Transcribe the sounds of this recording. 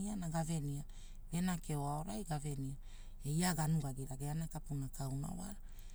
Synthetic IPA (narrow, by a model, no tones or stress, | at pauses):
ianaɡave̞nia | ɡe̞nake̞oao̞ɾajɡave̞nia | ejaɡanuɡaɡiɾaɡeanakapunakawna̰wa̰ɾa